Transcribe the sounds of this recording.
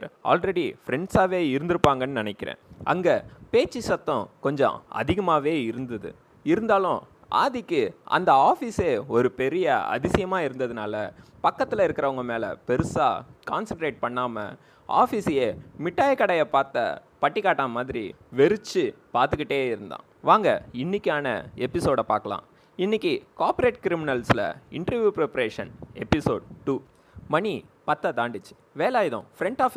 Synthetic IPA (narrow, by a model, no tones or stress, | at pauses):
a̰ːlɾɛɽifɾɛɳɖsaːʋeːɪɾɯnd̪ɯɾɯpːaːŋɡɐnːɯnɪnɛkːɪɾḛ̃ːʔɐ̰ŋɡɐpeːt͡ʃːisɐt̪ːɐ̃kɔɲd͡ʒɔ̰̃ɐ̰ðɪɣɐmaːʋeːɪɾɯnd̪ɐðɯ̰ | ɪɾɯnd̪aːlʊ̃ | ʔa̰ːðɪkːɯʔɐ̰nd̪ɐaːfiːseːɔɾɯpɛɾɪjɐɐ̰ðɪsɪjɐmaːɪɾɯnd̪ɐðɯnaːlɐpɐkːɐt̪ːɪlɐɪɾɯkːɪɾɐʋɐŋɡɐmeːlɐ̰pɛɾɯsa̰ːkaːnsɐɳʈɾeːʈ̚pɐɳːaːmɐ̰ | a̰ːfisɪjeːmɪʈːaːjɐkːɐɽɐjɐpaːɾt̪ːɐ̰ | pɐʈːɪkːaːʈːaːmaːðɪɾḭ | ʋɛɾɯt͡ʃːɯpaːɾt̪ɯkːɪʈːeːɪɾɯnd̪ã̰ː | ʋaːŋɡɐɪnːɪkʲːaːnɐ̰ɛpːɪsoːɽɐpaːɾkɐlã̰ː | ɪnːɪkʲːikaːɾpʊɾeːʈkɪɾɪmɪnɐlslɐ̰ɪ̰ɳʈɾɐɾʋjuːpɾɛpɐɾeːʂɐnɛpːɪso̰ːɖ̚ʈuː | mɐɳi | pɐt̪ːɐt̪aːɳɖɯt͡ʃːɯ̥ | ʋeːlaːjðõ̰fɾɛɳʈaːfɪ